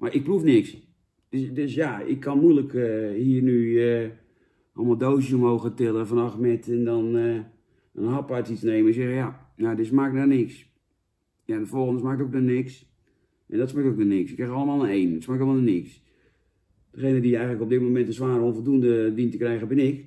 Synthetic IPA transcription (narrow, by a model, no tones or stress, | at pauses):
mʔaʔɪk̚prufnɪks | d̥sdøsjaɪ̰kʰːɔnmujləkəhiːrnyə | ʔɔlˠmalˠdowsjəmowɣətɪlˠəfanɔxmɛtɛndɔn | ənhɑpatit͡snejməɪksɛxəja | nadɪsmaːkk̚nanɪks | jandəfolˠɣəndəsmaːk̚tokanɪks | ʔɛ̰ndɔtsmaːktok̚nənɪksɪkrɛxɑlˠəmaːlˠənejndɪtsmaːkɔlˠmanənɪks | d̥əχejnədiɛjɣənləkob̚dɪt̚momɛntəsʋaːɾəonvlˠdundəʋintəkrɛjɣəbɪnɪk